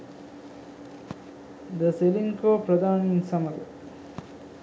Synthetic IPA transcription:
d̪əseliŋkopɾɐd̪aːnminsamɐɡ̪

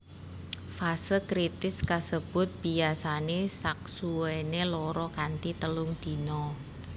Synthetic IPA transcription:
fasəkɾit̪ɪskasəb̥ʊ̤t̪̚b̥iasanesak̚suwenelɔɾɔkant̪it̪əlʊŋd̪̥i̤nɔ

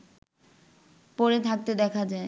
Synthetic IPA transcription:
pɔɾet̪ʰak̚t̪ed̪ɛkʰad͡ʑae

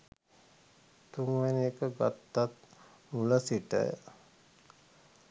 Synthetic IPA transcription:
t̪uŋʋɛneːkəɡa̰t̪ːat̪̚ | muləsiʈə̰j̰

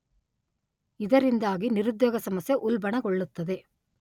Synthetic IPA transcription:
ɪðɐɾɪnd̪aːɣinɪɾɯd̪ːeːɣɐsɐmɐsjɐʔʊlbɐɳɐkɔɭːɯt̪ːɐðe

